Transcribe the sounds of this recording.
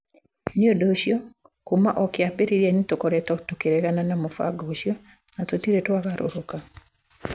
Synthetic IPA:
niodoʃjɔ | komaʔɔkeabeɾeɾianitokoɾɛtɔtokeɾɛɣananamofa̰ɡoːʃjɔ | natotiɾetoaɣaɾo̰ɾoka

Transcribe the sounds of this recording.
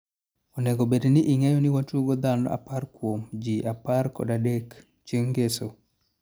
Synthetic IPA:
onɛɡobedniʔɪŋɛjɔnɪwatoɡod̪anɔ̰a̰parkwomd͡ʒiʔaparkɔ̰dadek | t͡ʃjeŋɡeso

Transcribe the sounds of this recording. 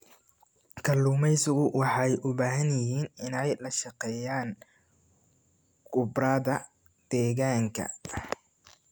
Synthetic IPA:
kʰɐluːmɛjsʊɣʊwɑħɑjʔʊβaːɦɐnjɪɦiːnɪnɛjlɐʃɑqɛːjaːn | ɡʊbraːðɐ | d̪̥ɛːɣaːŋkʰɐ̰

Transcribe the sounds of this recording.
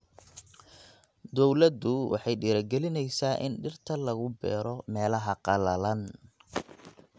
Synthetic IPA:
d̪ɔwlɐd̪ʊwɑ̰ħɑjɖiːɾɐɡɛlɪnɛjsaːʔɪ̰nɖɪrt̪ʰɐlɐɣʊbɛ̰ːɾɔmɛːlɐɦɐqɑlɐlɐn

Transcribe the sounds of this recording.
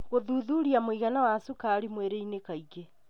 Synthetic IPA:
ɣoðuːðuɾiamoiɣanawasukaɾimweɾeinekaiɣe

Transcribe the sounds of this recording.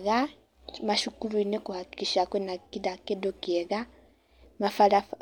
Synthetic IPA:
ɣa | maʃukuluinekuhaki̥kiʃakwenakidakedokeɣa | mafala

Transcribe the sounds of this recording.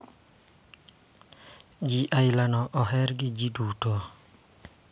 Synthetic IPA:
d͡ʒiʔailanɔʔɔɦɛɾɡid͡ʒidutɔ

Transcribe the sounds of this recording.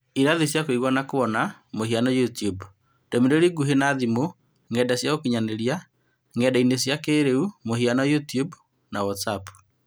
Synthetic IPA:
iɾaðisjakoiɣwanakoβɔnamoɦianɔjutiub | d̥ɔmideɾiɡuɦenaðimo | ŋɡɛdasjaokiɲaneɾia | ŋɛdainesjakeːɾeumohianajutiub | nawɔtsapu̥

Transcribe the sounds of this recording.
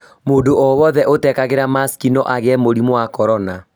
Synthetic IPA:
moːndoɔwɔðɛʔotɛkaɣeɾamaskinɔʔaɣɛmoɾimwakɔɾɔna

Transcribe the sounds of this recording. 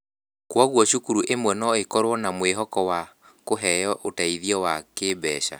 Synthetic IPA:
kwɔɣwɔʃukuɾuʔemwɛnɔekɔɾwɔnamweɦɔkɔwa | koɦɛjɔʔotaiðiɔwakebɛ̰ːʃa̰

